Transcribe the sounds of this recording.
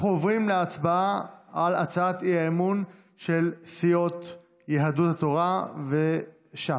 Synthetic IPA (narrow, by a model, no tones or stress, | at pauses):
χuovʁimleat͡sbaaala̰t͡saat̪iaemun | ʃelsijo̞t̪ | jeɦad̪ut̪hat̪oʁave | ʃa